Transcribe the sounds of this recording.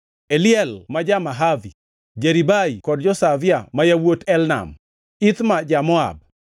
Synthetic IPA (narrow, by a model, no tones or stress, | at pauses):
eljɛlmad͡ʒamaɦavi | d͡ʒeɾibaikɔdd͡ʒɔsavjamajawotɛlna̰m | it̪mad͡ʒamɔa̰b̚